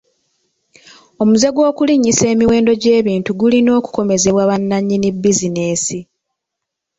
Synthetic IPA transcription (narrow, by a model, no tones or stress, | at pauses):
o̞muze̞ɡwo̞ːkuliɲːise̞ːmiwe̞ːndo̞ɟe̞ːβiːntuɡulino̞ːku̥ko̞me̞ze̞βwaːβanːaɲːinibːizine̞ːsi